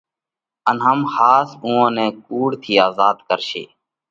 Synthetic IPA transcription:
ənɦəmhaːsũːãːnɛ̃ːkuːɽt̪ʰiːaːzaːd̪kəɾʃḭː

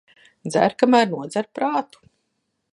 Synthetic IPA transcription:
d̪zæ̰ɾkamæːɾnuɔd̪zæɾpɾaːt̪u̥

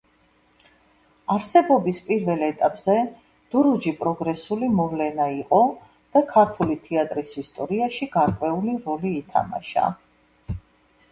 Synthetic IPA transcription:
aɾsɛbɔbispʼiɾvɛlɛt̪ʼapʼz̥ɛ | d̪̥uɾud͡ʒipʼɾɔɡɾɛsulimɔvlɛnaiqʼɔ | d̪̥akʰaɾt̪ʰulit̪ʰiat̪ʼɾisist̪ʼɔɾiaʃiɡ̥aɾkʼwɛuliɾɔliːt̪ʰa̰ma̰ʃa̰

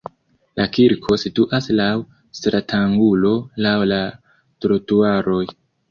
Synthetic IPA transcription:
lakiɾkʰo̞situʔaslaw | stɾatʰaŋɡulo̞lawla | tɾotuaɾo̞j

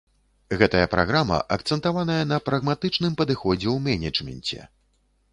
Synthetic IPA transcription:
ɣɛt̪ɐjɐpɾʔa̰ɣɾamɐ̰ʔɐkt̪sɛnt̪avan̪ɐjɐn̪ɐpɾɐɣmat̪ɨt͡ʂnɨmpɐd̪ɨxɔd͡zʲɛwmʲɛnʲɛt͡ʂmʲɛ̰nʲt͡sʲɛ̰

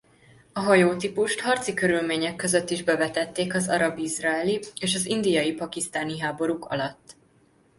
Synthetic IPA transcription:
ɒɦɒjoːt̪ipuʃt̪hɒrt̪sikø̞ɾylmeːɲɛkːøzøt̪ːiʒbɛvɛt̪ɛt̪ːeːkɒzɒɾɒbizrɒɛlieːʃɒzind̪ijɒjipɒkist̪aːniɦaːbo̞ɾukʰɒ̰lɒt̪ː

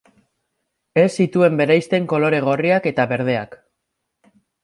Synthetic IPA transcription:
e̞sːit̪ue̞mbe̞ɾajst̪e̞ŋko̞lo̞ɾe̞ɣ̞o̞riake̞t̪aβe̞ɾð̞e̞ak

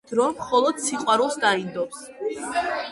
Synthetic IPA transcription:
d̪ɾɔmχɔlˠɔd̪siqʼwaɾulˠsd̪aind̪ɔps

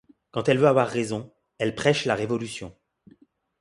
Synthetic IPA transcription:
kɑ̃t̪ɛlvøavwaʁːezɔ̃ | ɛlpχɛʃlaʁevɔlysjɔ̃

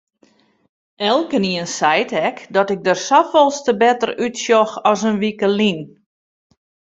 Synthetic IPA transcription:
ɛlˠkəniənsɛjtɛkdɔtɪk̚dərsafɔlˠstəbɛtərytsjɔxɔsənʋikəlin

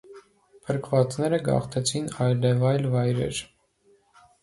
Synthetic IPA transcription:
pʰəɾkʰvɑt͡snɛɾəɡɑ̰χt̪ʰɛt͡sʰinɑjlɛvɑjlvɑjɾɛ̰ɾ

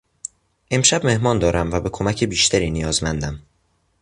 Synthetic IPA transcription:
ʔe̞mʃæbme̞hmɒːnd̪ɒːɾæmvæbe̞kʰomæcʰebiːʃt̪ʰæɾiːnijɒːzmænd̪æm

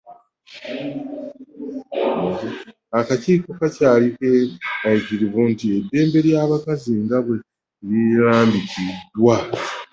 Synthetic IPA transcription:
akaciːko̞kacaːlikeajiciɾiβuntie̞dːe̞ːmbe̞ɾjaːβakaziŋɡaβwe̞ | liɾaːmbitidːwa

